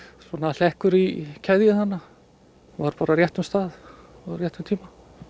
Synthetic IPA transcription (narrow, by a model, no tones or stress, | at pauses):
sɔnal̥ɛhkʏɾicʰɛðjɪθanːa | vaɾpaːɾarjɛht̪ʏmst̪aːð | ɔrjɛht̪ʏmt̪ʰiːma